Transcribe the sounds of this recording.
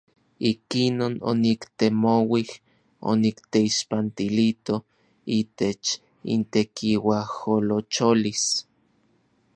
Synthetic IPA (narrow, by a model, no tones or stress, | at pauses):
ikinono̰nikt̪emowih | o̰nikt̪eiʃpant̪ilit̪o | it̪et͡ʃ | ḭnt̪ekʰiwaholot͡ʃolis